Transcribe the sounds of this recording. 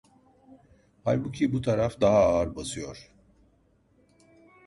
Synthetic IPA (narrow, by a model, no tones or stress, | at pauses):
halʲbucʰibut̪ʰaɾafd̪aɦaːɾbasɯjo̞ɾ̥